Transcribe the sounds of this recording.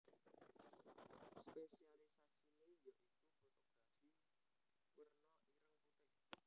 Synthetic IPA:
spesialisasinejɔʔikupo̤ʔəb̥a̤d̪̥i̤ | wərnɔʔiɾəŋput̪ɪ

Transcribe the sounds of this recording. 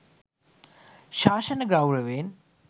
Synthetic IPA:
ʃaːʃɐnɐɡɾawɾɐʋeːn

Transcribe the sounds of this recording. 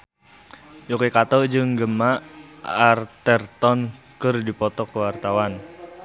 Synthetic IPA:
jokekat̪ɔd͡ʒɨŋɡəmaʔart̪ərt̪ɔnkɨrdipɔt̪ɔkəwart̪awan

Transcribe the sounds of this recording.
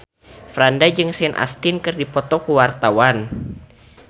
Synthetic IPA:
fɾandad͡ʒɨŋsɛnʔa̰st̪inkɨrdipɔt̪ɔkuwart̪awan

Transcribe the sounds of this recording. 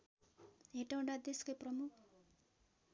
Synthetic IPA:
ɦeʈaw̃ɖad̪eskojprʌmukʰ

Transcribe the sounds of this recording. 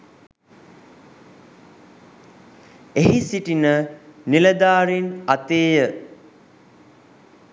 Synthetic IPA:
eɦisiʈinəniləd̪aːɾinat̪eːjə

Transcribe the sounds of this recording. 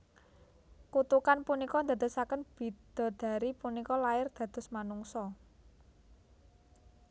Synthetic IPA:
kut̪ukanpunikɔnd̪a̤d̪ə̤sakənb̥i̤d̪̥ɔ̤d̪̥ä̤ɾipunikɔlaɪrd̪̥ä̤d̪̥ʊ̤smanuŋsɔ

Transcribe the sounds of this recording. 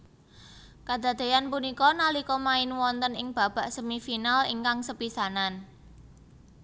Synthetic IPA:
kad̪̥a̤d̪̥e̤janpunikɔnalikɔmaɪnwɔnt̪ənɪŋb̥a̤b̥a̤ʔsəmifinalḭŋkaŋsəpisanan

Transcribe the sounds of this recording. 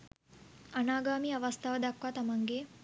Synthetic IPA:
ɐnaːɡaːmiːɐʋɐst̪ʰaʋɐd̪akʋat̪ɐmaŋɡeː

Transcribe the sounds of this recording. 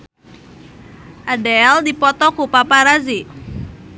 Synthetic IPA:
ʔadɛldipɔt̪ɔkupapaɾazi

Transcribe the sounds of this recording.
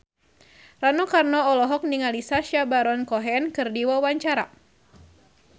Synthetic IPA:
ranɔkarnɔɔlɔɦɔk̚niŋalisaʃabaɾɔnkɔɦɛnkɨrdiwawaɲt͡ʃaɾa

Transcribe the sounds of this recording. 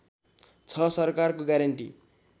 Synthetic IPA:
t͡sʰʌsʌrkarkoɡaɾʌɳʈḭ

